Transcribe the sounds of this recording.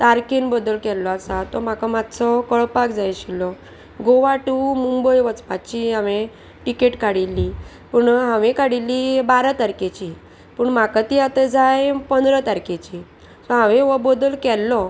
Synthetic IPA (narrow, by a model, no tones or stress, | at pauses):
t̪aɾkenbɔd̪əlkɛlːɔasat̪ɔm̤akamad̪t͡sɔkəɭpakd͡zajɕilɔ | ɡoʋaʈumumbəjʋət͡spat͡ɕiɦãʋe | ʈikeʈkaɽilːi | puɳɦãʋekaɽilːibaɾat̪aɾket͡ɕi | pəɳm̤akat̪iat̪əd͡zajpənd̪ɾət̪aɾket͡ɕi | sɔɦãʋẽʋəbɔd̪əlkɛlːɔ